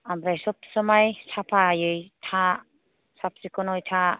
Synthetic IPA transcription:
amɾajsɔp̚sɔmajsapʰajɯjtʰa | sap̚sikɔnɔjtʰa

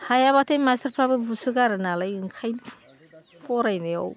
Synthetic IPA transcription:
hajaβatʰajmastʰaɾpʰɾabɯbusuɡaɾɯnalajɯŋkʰajn | pɔɾajneɔ̰w

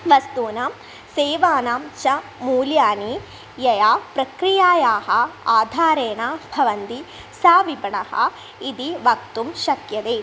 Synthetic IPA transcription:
ʋɐst̪uːnɐm | seːʋaːnaːmt͡ʃɐmuːljaːni | jɐjaːpɾɐkɾijaːjaːɦɐaːd̪ʱaːɾeːɳaːbʱɐʋɐnd̪i | saːʋibɐɳɐhɐ̰ | id̪iʋɐk̚t̪umʃɐkjɐd̪eː

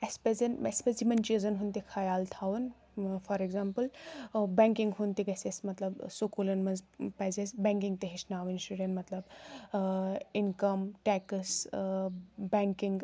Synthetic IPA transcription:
espezɐnespesd͡zimɐnt͡ʃizɐnɦunt̪ikʰɐjaːlt̪ʰawɨn | fʰɔɾeɡzampɨlbɛŋkiŋɡɦunt̪iɡɐsesmɐt̪lɐbsokulɐnmɐnzpɐzesbɛ̃ŋkiŋɡt̪eɦit͡ʃʰnaːwinsʈuɖẽnʈmɐt̪lɐb | inkɐmʈɛkɐs | bɛŋkiŋɡ

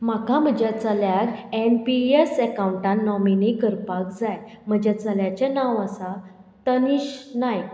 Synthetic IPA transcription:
makãm̤əd͡ʑat͡saljaɾempiesɛkauɳʈãnːɔminikəɾpakd͡zajm̤əd͡ʑat͡saljat͡ɕanãʋəsa | t̪əniɕnaj

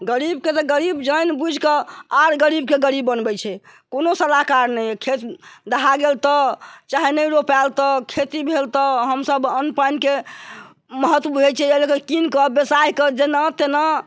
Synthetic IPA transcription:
ɡəɾibket̪ɔɡəɾibd͡ʒəjnbud͡ʒʱkəaɾɡəɾibkeɡəɾibːənbɛt͡ʃʰɛ | konosəlakaɾnɛjkʰet̪d̪əɦaɡelt̪ɔt͡ʃaɦinəɾopalt̪ɔkʰet̪ibʱelt̪ɔɦəmsəbənpənke | məɦət̪wbʱet͡ʃʰɛelekekinkəbjesaikəd͡ʒenat̪ena

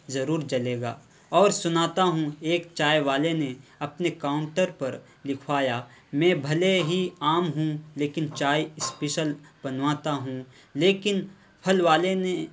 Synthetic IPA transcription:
zɐɾuːɾd͡ʒɐleːɡa̰ː | ɔːɾsʊnaːt̪aɦũeːkt͡ʃaːjʋaːleneɐpnekaːʊ̃ɳʈəɾpɐɾ | lɪkʰʋaːjaːmɛ̃ːbʱɐleɦiaːmɦũleːkɪnt͡ʃaːjɪspeʃəlbɐnʋaːt̪aɦũ | leːkɪn | pʰɐlʋaːlene

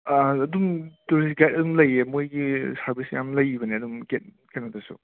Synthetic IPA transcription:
aɐdumtuɾisɡajt̚ɐdumlɐjemojɡisaɾbisjamlɐjbɐneɐdumket̚ | ketnatɐsṵ

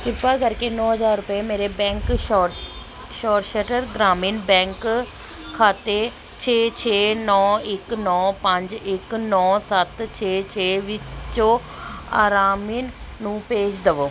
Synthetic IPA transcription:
kɪpːaːkəɾkeːnɔːɦəzaːɾːʊpeːmeːɾeːbɛ̃ːŋkɔɾ | ʃɔːɾʃəʈəɾɡɾaːmiːnbɛ̃ːŋkʰː | aːt̪eː | t͡ʃʰeːt͡ʃʰeːnɔːɪknɔːpəɲd͡ʒɪknɔːsət̪t͡ʃʰeːt͡ʃʰeːʋɪt͡ʃõː | a̰ːɾaːmiːnːũːpeːd͡ʒd̪əʋoː

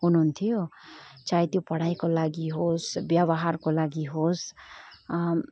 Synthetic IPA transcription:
ɦunuunt̪ʰijot͡sajt̪jopʌɽ̤ajkolaɡiɦosbjʌbʌɦarkolaɡiɦos

